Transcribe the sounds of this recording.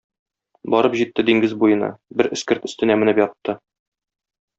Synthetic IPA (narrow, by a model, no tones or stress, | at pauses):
bɒɾɤpʑit̪ːɘd̪iŋɡɘzbujɤ̆nɑ̰bɘɾʔɘ̆skɘɾt̪ɵ̆st̪ɘ̆næmɘ̆nɘpjɒt̪ːɤ